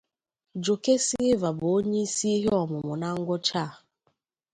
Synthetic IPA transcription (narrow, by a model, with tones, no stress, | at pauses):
d͡ʒo˨ke˦sɪ˦ɪ˦va˨bʊ˨o˦ɲe˦i˦si˦i˦ɦe˦ɔ˨mʊ˨mʊ˨na˦ŋ̩˦ɡʷɔ˦t͡ʃa˦˨